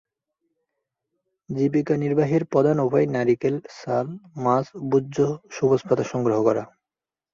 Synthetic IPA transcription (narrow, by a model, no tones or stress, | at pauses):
d͡ʑibikaniɾbaɦiɾpɔd̪ʱanobʰʱaenaɾikelsalmasbudːoʃubospʰat̪aʃɔŋɡɾoɦokɔɾa